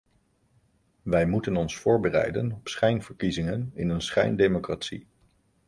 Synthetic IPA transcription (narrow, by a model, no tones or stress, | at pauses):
ʋɛjmutənɔnsfʊːɹbərɛ̰jdənɔpsχɛjnv̥əɹkizɪŋənɪ̰nənsχɛ̰jndejmokraːtsi